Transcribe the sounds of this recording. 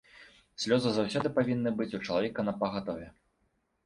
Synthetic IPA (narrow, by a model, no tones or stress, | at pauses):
sʲlʲɔzɨzawsʲɔd̪ɨpavʲinːɨbɨt͡sʲut͡ʂɐlˠavʲɛkɐnɐpɐɣat̪ɔvʲɛ